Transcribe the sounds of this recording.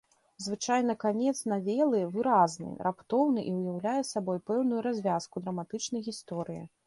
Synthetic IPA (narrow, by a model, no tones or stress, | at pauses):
zvɨt͡ʂajn̪ɐkanʲɛt̪snavʲɛlˠɨvɨɾaznɨ̰rʔapt̪ɔwnɨʔiwjawlʲajɛsabɔjpɛwnujuɾazʲvʲaskud̪ɾɐmat̪ɨt͡ʂnɐjɣʲist̪ɔɾɨjḭ